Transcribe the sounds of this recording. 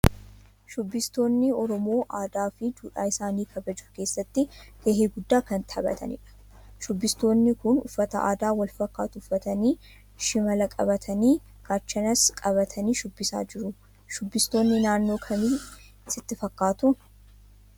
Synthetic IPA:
ʃʊbːɪst̪o̞ːnːɪɔɾɔmoːʔaːd̪aːfɪd̪uːᶑaːɪsaːniːkʰɐbɐd͡ʒʊke̞ːsːɐt̪ːɪkeːɦeːɡʊd̪ːaːkɐnt̪ɐbɐ̰t̪ʰɐ̰nɪ̰ᶑɐ̥ | ʃʊbːɪst̪o̞ːnːɪkʊnʊ̰fːɐt̪ɐʔa̰ːd̪aːwɐlfɐkːaːt̪ʊʊfːɐt̪ɐniː | ʃɪmɐlɐkʼɐ̰bɐt̪ʰɐniː | kaːt͡ʃːɐnɐskʼɐβɐt̪ʰɐniːʃʊbːɪsa̰ːd͡ʒɪɾʊ | ʃʊbːɪst̪o̞ːnːɪnaːnːoːkʰɐmi | sɪt̪ːɪfɐkːaːt̪ʊ

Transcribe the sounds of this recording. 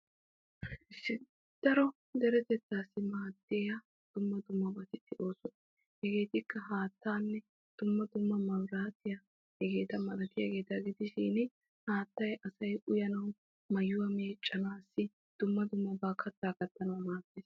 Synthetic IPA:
ɪsːɪ | d̪̥ɐɾɔ | d̪ɛɾɛt̪ɛt̪ːaːsːɪmaːd̪ːeːjɐ | d̪̥ʊmːɐd̪ʊmːɐbɐt̪ɪt̪ːɪʔo̞ːsɔn | hɛɡe̞ːt̪ɪkːɐɦaːt̪ːaːnːɛ | d̪̥ʊmːɐd̪ʊmːɐmɐmɾaːt̪ɪjɐ | hɛɡe̞ːt̪ɐmɐlɐt̪ɪjaɡe̞ːt̪ɐɡɪd̪ɪʃɪːn | haːt̪ːɐjɐsɐjʔʊjɐnɐw | mɐjʊwɐmeːt͡ʃʼːɐnaːsːɪ | d̪̥ʊmːɐd̪ʊmːɐbaːkʰɐt̪ːaːkɐt̪ːɐnɐwmaːt̪ːeːs

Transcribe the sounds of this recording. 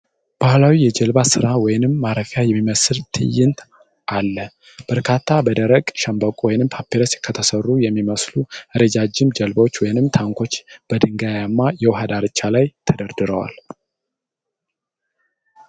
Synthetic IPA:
b̥ahlawijɛd͡ʒɛlbasɨɾawɔjɪnɨmːaɾəfjajɛmːiməsɨlt̪ʰɨ̰jːɪnt̪ | ʔalːə | b̥əɾkʰat̪ʰːabəd̪əɾəɡʼʃəmbəkʼwɔjnɨmpʰapːiɾəskʰːət̪ʰəsərːujɛmːiməsluɨɾed͡ʒad͡ʒɪmd͡ʒɛlbot͡ʃːwɔjɪnɨmt̪ʰaŋkʷʰo̞t͡ʃːb̥əd̪ɨŋɡajamːajɛwɦad̪aɾɨt͡ʃːalajt̪ʰəd̪əɾd̪ɨɾəwa̰l

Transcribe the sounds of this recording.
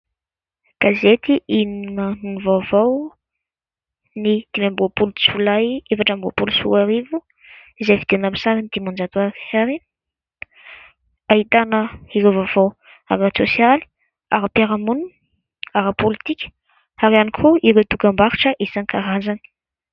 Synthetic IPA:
ɡ̥azet̪iʔininənunivavaw | nid̪̥imambopuluit͡svulajefaʈ͡ʂambo̰pulusṵaɾivu | izejfid̪̥enamisaɾinid̪imand͡ʒat̪uaɾiaɾin | aɦit̪anəiɾewvavaw | aɾat͡sosjali̥ | aɾapaɾamunu | aɾapolit̪ikʲə̥ | aɾianikʰoiɾewd̪ukambaɾi̥ʈ͡ʂəʔesankaɾazani̥

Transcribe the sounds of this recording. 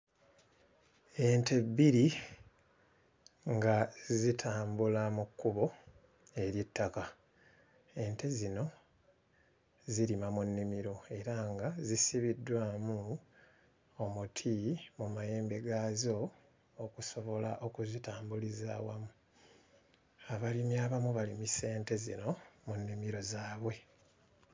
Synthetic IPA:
e̞nte̞bːiɾi | ŋɡazitʰaːmbulamukːuβo̞ | e̞ɾjitːaka | e̞ːnte̞zino̞ | ziɾimamunːimiɾo̞e̞ɾaŋɡazisiβidːwaːmu | omutʰimumaje̞ːmbe̞ɡaːzo̞ː | kuso̞βo̞laʔokuzitaːmbulizaːwamu | aβalimiaːβamuβalimise̞ːnte̞zḭno̞munːimiɾo̞zaːβwe̞

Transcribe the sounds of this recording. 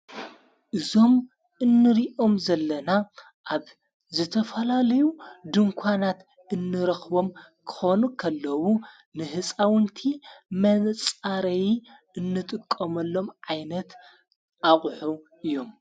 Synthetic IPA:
ʔɨzo̞m | ɨnːɨɾiʔo̞mzɐlːɐna | ʔaβ | zɨt̪ʰɐfɐlalɐjud̪ɨŋkʷʰanat̪ | ɨnːɨɾɐxβo̞m | kʰɨ̥xo̞nukʰɐlːɐwu | nɨhɨt͡sʼawɨnt̪ʰimɐnt͡sʼaɾɐji | ɨnːɨt̪ʼɨkʼːɐmɐlːo̞mʕajnɐt̪ | ʔaχʼħuʔɨjo̞m

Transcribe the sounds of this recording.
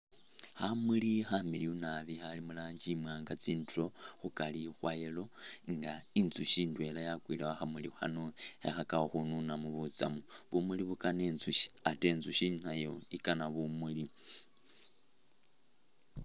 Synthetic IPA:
hamulixamiliunaβixalimulaːɲd͡ʒimwaːŋɡat͡siːntuoxukalixwajelo̞ŋɡaint͡suʃindwe̞lajakwilewaxamulixa̰noexakaoxununamuβut͡sa̰muβumuliβukane̞ːnzuʃi̥ate̞nzuʃinajo̞ikanaβumuli

